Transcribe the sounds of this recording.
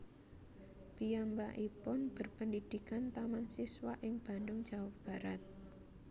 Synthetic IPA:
pijambaʔipʊnb̥ə̤rpəndid̪̥i̤kant̪amansiswaʔɪŋb̥a̤ndʊŋd͡ʒ̥a̤wab̥a̤ɾat̪̚

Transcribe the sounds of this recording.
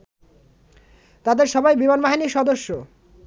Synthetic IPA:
t̪ad̪eɾʃɔbajbimanbaɦiniʃɔd̪oʃːo

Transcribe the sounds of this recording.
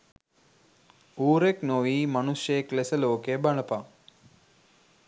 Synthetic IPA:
uːɾeknoʋiːmɐnuʃjeklesəloːkebɐnɐpa

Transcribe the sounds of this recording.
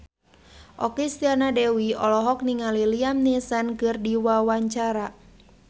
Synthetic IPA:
ʔɔkist̪ianadɛwiɔlɔɦɔk̚niŋaliliamnisankɨrdiwawaɲt͡ʃaɾa

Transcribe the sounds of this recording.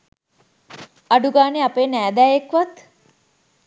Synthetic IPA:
aɖuɡaːneapeːnæːd̪æːjekʋat̪

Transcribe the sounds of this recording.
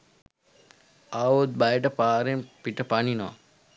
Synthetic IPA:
aʋot̪̚bajʈəpaːɾempiʈəpaninoʋa̰

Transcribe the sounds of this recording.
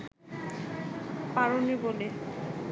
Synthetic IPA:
paɹonibole

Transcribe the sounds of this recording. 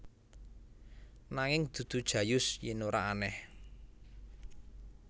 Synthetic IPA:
naŋɪŋd̪̥ṳd̪̥ṳd̥ʒ̥ä̤jʊsjɪnoɾaanɛh

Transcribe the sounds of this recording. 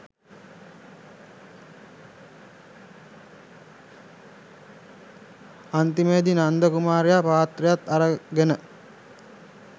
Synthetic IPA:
ant̪imeːd̪inand̪əkumaːɾejapaːt̪rejat̪aɾəɡenə

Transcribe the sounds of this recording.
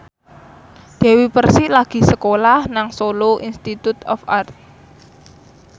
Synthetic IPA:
d̪̥ɛ̤wipərsilaɡ̥i̤səkolahnaŋsoloʔinst̪it̪ut̪ɔ̰fart̪̚

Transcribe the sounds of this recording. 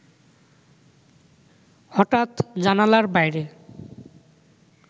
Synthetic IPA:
hɔʈat̪d͡ʑanalaɾbajɾe

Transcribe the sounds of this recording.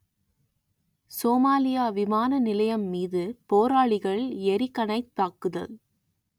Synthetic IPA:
soːmaːlɪjaːʋɪmaːnɐnɪlɐjɐmːiːðɯpoːɾaːɭɪɣɐɭɛɾɪkːɐnɐɪt̪ːaːkɯðɐ̰l

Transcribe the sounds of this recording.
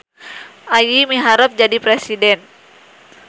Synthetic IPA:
ʔajimiɦaɾəp̚d͡ʒadipɾesidɛn

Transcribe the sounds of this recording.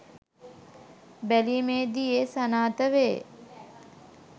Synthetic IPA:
bæliːmeːd̪iesanaːt̪əʋeː

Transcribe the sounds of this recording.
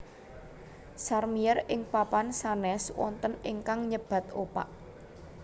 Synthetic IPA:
sarmiɛrɪŋpapansanɛswɔ̰nt̪ənɪŋkaŋɲəb̥ä̤t̪opa̰ʔ

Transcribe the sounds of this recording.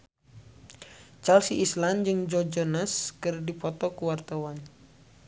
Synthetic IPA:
t͡ʃalsiisland͡ʒɨŋd͡ʒɔd͡ʒɔnaskɨrdipɔt̪ɔkuwart̪awan

